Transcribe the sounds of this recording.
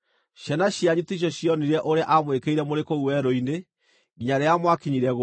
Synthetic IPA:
ɕɛnaɕjaɲutiɕ̬ɔɕjɔniɾɛʔoɾeaʔamwekeiɾɛmoɾekoɣuwɛɾoine | ɣiɲaɾeamwakiɲiɾɛɣo

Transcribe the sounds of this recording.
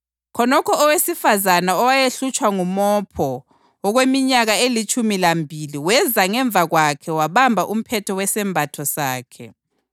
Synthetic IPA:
kʰɔnɔkʰɔɔwesifazanaɔwajeɬut͡ʃʼwaŋumɔpʰɔː | ɣwemiɲaɣaelit͡ʃʼumilambʱiliwɛzaŋɛɱvʱaɣwakʰɛwaβambʱaʔum̩pʰɛtʰɔwɛsɛmbʱatʰɔsaːkʰɛ

